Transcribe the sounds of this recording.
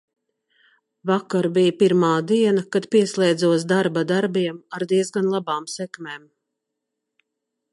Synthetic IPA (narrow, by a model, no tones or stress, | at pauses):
vakaɾbijpiɾmaːd̪iɛnakad̪piɛslˠɛjd̪zuɔs̬d̪aɾbad̪aɾbiɛmaɾd̪iɛzɡanlˠabaːmsɛkmɛːm